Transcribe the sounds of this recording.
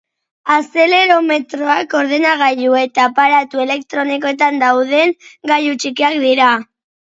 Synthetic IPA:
ase̞le̞ɾo̞me̞t̪ɾo̞ako̞ɾðe̞naɣajue̞t̪apaɾat̪ue̞le̞kt̪ɾo̞niko̞et̪and̪awð̞e̞ŋɡajut͡ʃikiakd̪iɾa

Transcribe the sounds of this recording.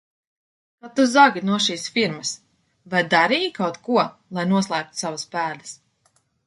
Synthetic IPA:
kat̪uzaɡʲinuɔʃiːsfiɾmɐs | vajd̪aɾiːjkawt̪kuɔ | lˠajnuɔslˠæːk̚t̪u̥savaspæːd̪ɐs

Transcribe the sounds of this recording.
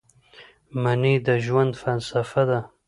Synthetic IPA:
manid̪əʒwand̪falsafad̪a

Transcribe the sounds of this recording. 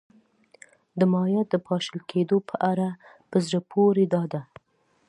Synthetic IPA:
d̪əmɑjɑt̪̚d̪əpʰɑʃəlkʰed̪opʰəʔaɾapəzɾəpʰoɾed̪ɑd̪a

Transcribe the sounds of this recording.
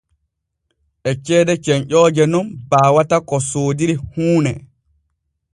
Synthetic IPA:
ʔɛt͡ʃɛːdɛt͡ʃɛɲʔɔːd͡ʒɛnɔnbaːwatakɔsoːdiɾihuːnɛ

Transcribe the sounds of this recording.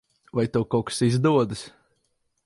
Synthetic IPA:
vajt̪ɔwkɔwksizd̪uɔd̪ɨs

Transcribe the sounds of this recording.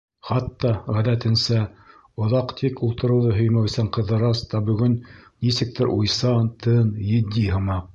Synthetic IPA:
χɑt̪ːɑʁæðæt̪ɘ̆nsæ | ŏðɑqt̪ʰikulˠt̪ɤ̆ɾɤ̆wðɤɦɵ̆jmæwɘ̆sæɴqɤ̆ðːɤ̆ɾɑst̪ɑbɵ̆ɡɵnnisɘ̆k̚t̪ʰɘɾʔujsɑnt̪ʰɤnjɵ̆d̪ːiɦɤ̆mɑq̚

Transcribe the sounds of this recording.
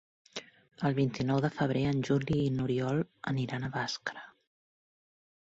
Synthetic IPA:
əlˠβint̪inɔwðəfəβ̞ɾeənʲʒuliːnuɾiɔlˠəniɾanəβaskɾə

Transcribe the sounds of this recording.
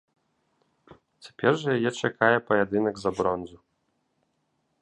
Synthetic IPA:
t͡sʲḁpʲɛrʐɐjajɛt͡ʂakajɛpɐjad̪ɨnɐɡzabɾɔnzu

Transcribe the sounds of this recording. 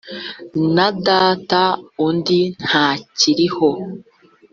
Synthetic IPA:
nadaːtaundin̥haːciɾiho̞

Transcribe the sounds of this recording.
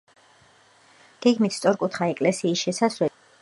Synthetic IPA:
ɡ̥ɛɡmit̪ʰst̪sʼɔɾkʼut̪ʰχaɛkʼlɛsiːsʃɛsaslɛ

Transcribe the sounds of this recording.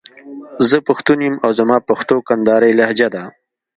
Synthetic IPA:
zəpaxt̪unjimawzamɑːpaxt̪okand̪ɑːɾajlahd͡ʒad̪a

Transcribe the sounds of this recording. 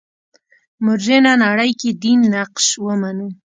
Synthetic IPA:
mʊɾʒenanaɽəjked̪inːaqʃwəmanu

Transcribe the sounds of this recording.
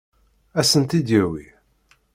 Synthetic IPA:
æsənt̪id̪jiwḭ

